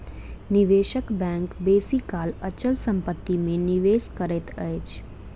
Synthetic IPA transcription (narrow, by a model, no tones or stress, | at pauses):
nɪʋeːʃəkbɛ̃ːŋkbeːsikaːlət͡ʃəlsə̃mpət̪ːimẽnɪʋeːskəɾet̪əet͡ʃ